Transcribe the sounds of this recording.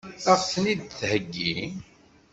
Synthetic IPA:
θɑfsnid̪̚θhəɡːi

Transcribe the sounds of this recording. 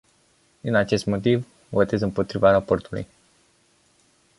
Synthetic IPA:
d̪inat͡ʃe̞st̪mo̞t̪̬iv | vo̞t̪e̞zɨmpo̞t̪ɾivaɾapo̞rt̪ulṵj

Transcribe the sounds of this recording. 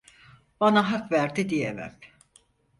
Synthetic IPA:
b̥anaɦakvæɾd̪id̪ijevæ̰m

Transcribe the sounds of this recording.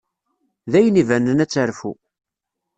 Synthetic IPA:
ðæjənivænənæt͡sːəɾfu

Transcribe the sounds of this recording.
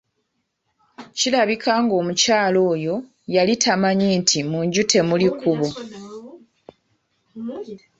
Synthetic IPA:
cilaβikʰaːŋɡo̞ːmucaːlo̞ːjo̞ | jalitʰamaɲiːntʰimuɲɟute̞mulikuβo

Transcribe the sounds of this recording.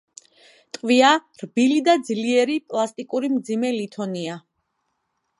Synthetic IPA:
t̪ʼqʼviaɾbilid̪ad̪zliɛɾipʼlˠast̪ʼikʼuɾimd̪zimɛlit̪ʰɔnia

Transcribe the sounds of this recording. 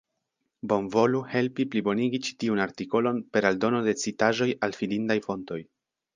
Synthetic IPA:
bo̞nvo̞luhe̞lpiplibo̞niɡit͡ʃi̥tiunaɾtiko̞lo̞npe̞ɾaldo̞no̞de̞t͡sitaʒo̞jalfilindajfo̞nto̞j

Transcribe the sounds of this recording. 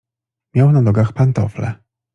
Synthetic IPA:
mʲjawnanɔɡaxpant̪ɔflɛ̰

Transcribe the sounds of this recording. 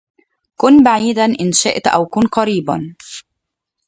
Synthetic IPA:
kʊnbaʕiːd̪anʔɪnʃɪʔt̪ʔa̰wkʊnqɑɾiːba̰

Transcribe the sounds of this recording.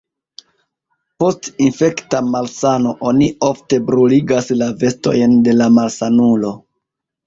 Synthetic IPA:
po̞stinfe̞ktamalsano̞ʔo̞nio̞fte̞bɾuliɡaslave̞sto̞̰jnde̞lamalsanulo̞

